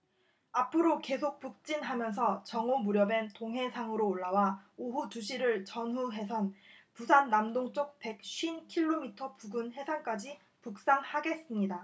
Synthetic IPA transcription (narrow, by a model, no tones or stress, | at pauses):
apʰɯɾoke̞sʰok̚p͈uk̚t͡ɕ͈inɦamjʌns̬ʰʌt͡ɕʌŋomuɾjʌbe̞ntoŋɦe̞sʰaŋɯɾoːɭːawaoɦut͡ɕuɕʰiɾɯɭt͡ɕʌnɦuɦe̞sʰʌnpusʰanːamdoŋt͡ɕ͈ok̚pe̞k̚ɕʰɥinkʰiɭːomitʰʌpuɡɯnɦe̞sʰank͈ad͡ʑi | puk̚s͈aŋhaɡe̞s͈ɯmɲida